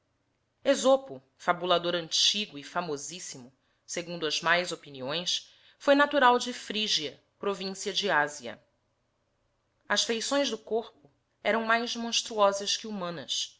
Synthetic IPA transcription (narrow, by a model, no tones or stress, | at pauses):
ezopʊ | fabulad̪oɾɐ̃nt͡ʃiɡʊɪfamozisimʊ | seɡũnd̪ʊɐzmajzopiniõj̃s | fojnat̪uɾawd͡ʒɪfɾiʒiɐ | pɾovĩsiɐd͡ʒɪaziɐ̰ | ɐsfejsõj̃zd̪ʊkoɾpʊ | ɛɾɐ̃w̃majzmõʃt̪ɾuɔzɐskɪumɐ̃nɐs